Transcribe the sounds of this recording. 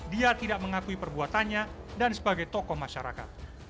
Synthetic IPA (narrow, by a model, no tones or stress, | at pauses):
diat̪idaʔməŋakuipərbuat̪anɲa | dansəbaɡajt̪ɔkɔhmaʃaɾa̰ka̰t̪̚